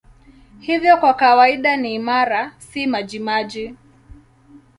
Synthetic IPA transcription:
hivjɔkwakawaiɗaniːmaɾasimaʄimaʄi

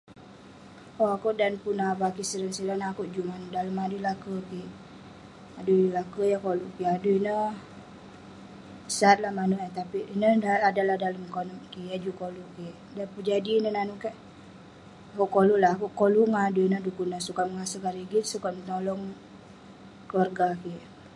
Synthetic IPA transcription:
oakuʔdanpunabakisəɾənsiɾanahakuʔd͡ʒumanuʔdaləmadulakəkiʔ | adulakəjakoluʔkiaduinə | əsat̪̚lahmanuʔat̪apiinədaadalahdaləmkonɔʔkijad͡ʒukoluʔkiʔdapəd͡ʒadiːnənanukaʔ | akuʔkoluʔlaɦakuʔkoluŋaduinədukunahsukat̪̚məŋasəkaɾiɡit̪sukat̪̚mənolɔŋ | kəwarɡakiʔ

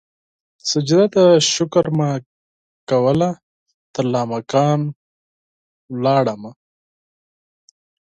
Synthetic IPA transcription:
sad͡ʒɪd̪at̪aʃʊkɾma | kawəla | t̪əɾlɑːmakɑːn | wlɑːɽama

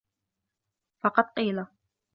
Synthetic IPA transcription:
fɑqɑd̪̚qiːla

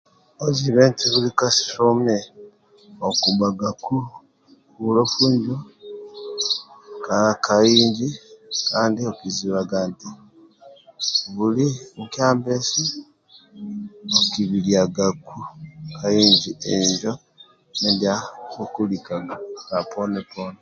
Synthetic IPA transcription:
oziβeːntiβulikasi̥ʃome | okubaɡaku | βulofuːɲɟo | kakʰajiːɲɟikaːndiokiziβaɡanti | βuliŋkjaːmbesi | okiβiliaɡakukaiːɲd͡ʒieɲd͡ʒo | nendiakokulikaɡakaponepone

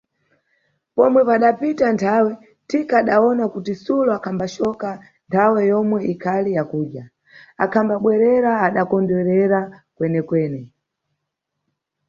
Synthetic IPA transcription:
pɔmwɛpaɗapitantʰawɛ | tikaːɗaɔnakutisulɔakʰambaʃɔka | ntʰawɛjɔmwɛʔikʰalijakuːɗja | akʰambaɓwɛɾɛɾaːɗakɔndwɛɾɛɾakwɛnɛkwɛːnɛ

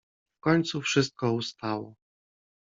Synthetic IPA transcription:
fkɔɲt̪sufʂɘst̪̚kɔust̪awɔ

